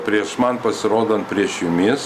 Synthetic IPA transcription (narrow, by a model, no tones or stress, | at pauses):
pʲɾʲiɛʃmɐnpɐsʲɪɾoːd̪ɐnt̪̚pʲɾʲiɛʃjʊmʲɪːs